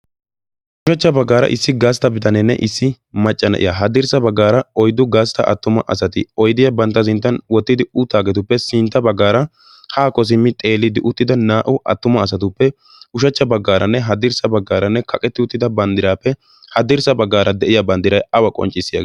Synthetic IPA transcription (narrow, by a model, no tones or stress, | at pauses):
ʔʊʃɐt͡ʃːɐbɐɡːaːɾɐ̰ʔɪsːɪɡaːst̪ɐbɪt̪ɐnɛnːɛ̰ʔɪsːɪ | mɐt͡ʃʼːɐnɐ̰ʔɪ̰jaɦɐd̪ɪɾsɐbɐɡːaːɾɐɔjd̪ʊɡaːst̪ɐʔɐ̰t̪ːʊmɐ̰ʔɐsɐt̪ɪɔjd̪ɪjɐbɐnt̪ːɐs̬ɪnt̪ːɐnwɔt̪ːɪd̪ɪʊt̪ːaːɡɛt̪̬ʊpːɛsɪnt̪ːɐbɐɡːaːɾɐ | haːkɔs̬ɪmːɪt̪ʼeːlːɪd̪ɪʔʊt̪ːɪd̪ɐnaːʔʊʔɐ̰t̪ːʊmɐːsɐt̪ʊpːɛ | ʊʃɐt͡ʃːɐbɐɡːaːɾʔɐnːɛɦɐd̪ɪɾsɐbɐɡːaːɾɐnːɛkʰɐkʼɛt̪ːɪʊt̪ːɪd̪ɐbɐnd̪ɪɾaːpːɛ | hɐd̪ɪɾsɐbɐɡːaːɾɐd̪ɛʔɪjɐbɐnd̪ɪɾɐjɐwɐkʼɔ̰nt͡ʃʼːɪsːɪjɐ̰ɡ